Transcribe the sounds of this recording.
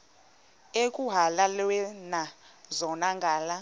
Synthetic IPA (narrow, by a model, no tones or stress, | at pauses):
ekʼuɦalalwɛnazɔnaŋɡʱaːla